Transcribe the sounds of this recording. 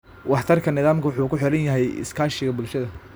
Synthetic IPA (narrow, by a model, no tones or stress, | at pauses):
wɑħt̪ʰɐrkʰɐnɪðaːmkʰɐwʊħuːkʰʊħɪɾɐnjɐɦɛjɪ̰skʰaːʃɪɣɐbʊlʃɐðɐ